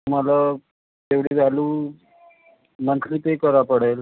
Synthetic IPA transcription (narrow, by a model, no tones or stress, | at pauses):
t̪um̤ala | t̪eʋɽiːd͡zʱaluː | mənt̪liːt̪ekəɾapəɽel